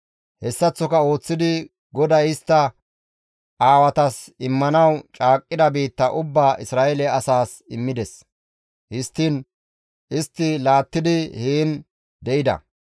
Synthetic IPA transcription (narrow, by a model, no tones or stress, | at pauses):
hɛsːɐt͡sːɔkɐo̞ːt͡sːɪd̪ɪ | ɡɔd̪ɐjɪst̪ːɐ | ʔaːwɐt̪ɐsɪmːɐnɐwt͡ʃʼaːkʼːɪd̪ɐbiːt̪ːɐʔʊbːaːʔɪsɾaːʔɛlɛɐsaːs | ɪmːɪd̪ɛs | hɪst̪ːin | ʔɪst̪ːɪlaːt̪ːɪd̪ɪhiːn | d̪ɛʔɪd̪ɐ̰